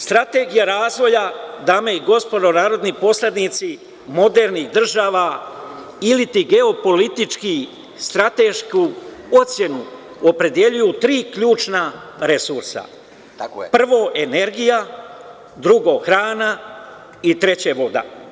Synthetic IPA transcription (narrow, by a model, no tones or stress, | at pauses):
st̪ɾat̪e̞ɡijaɾaːzʋo̞jad̪ameiɡo̞spo̞d̪o̞naːɾo̞d̪nipo̞sled̪nit̪si | mo̞d̪e̞ɾnixd̪r̩ʒaːʋa | ilit̪iɡe̞o̞po̞lit̪it͡ʃki | st̪ɾat̪e̞ʃkuo̞t̪sje̞nu | opɾe̞d̪je̞ʎujut̪ɾiːkʎuːt͡ʃna | ɾe̞suɾsa̰ | pr̩ʋo̞ːʔe̞ne̞ɾɡija | d̪ɾuɡo̞ːxɾaːna | it̪ɾe̞t͡ɕeʋo̞d̪a̰